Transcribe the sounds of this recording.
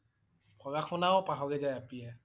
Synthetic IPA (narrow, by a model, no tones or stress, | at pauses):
pʰɔɡaxʰɔnaʊpaɦɔɡɛzajapiɛ